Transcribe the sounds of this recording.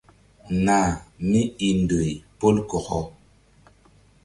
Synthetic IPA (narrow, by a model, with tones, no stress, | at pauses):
na˦˨mi˦i˨n˨do˨i˨po˦lkɔ˨kɔ˦